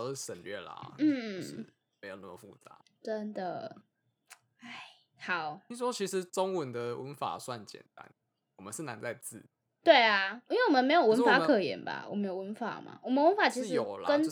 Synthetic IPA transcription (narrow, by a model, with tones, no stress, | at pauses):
ə˧˦ʂə˨˩nlɥɛ˥˩lə̰˨˩m̩˥˩ɻ̩˨ | me˧˥ɪjnə̰˥˩mə˨˩fu˥˩t͡sa˨˦ | ʈ͡ʂə˦nd̪ə˨ | a˥˩ɪ | hɑ˨˩˦ʊi˦ʂwɔ˥t͡ɕʰi˧˥ʂɻ̩˧˦t͡sɔ˦ŋwə˨˦nd̪ə˨wə˧˦nfa̰˨˩swa˥˩nt͡ɕjɛ̰˨˩nt̪a̰˦n | wɔ˨˩mə˦nʂ̩˥˩na˧˦nt͡sa˥˧ɪt͡sɹ̩˥˩ | t̪we˥˩ɪa˩i˥˦nwe˥˩˨wɔ˨mə˨nme˧˥ɪjo˨˩ʊwə˧˦nfa˧˥kʰɤ˨˩jɛ̰˨˥nba̰˨wɔ̰˨˩me˧˥jo˨˩wə˧˦nfa̰˨˥ma̰˨˩wɔ˨˩mə̃˦nwə˦˥nfa˨˩t͡ɕʰi˧˥ʂjo˨˩ʊla̰˦˧ə˦˥n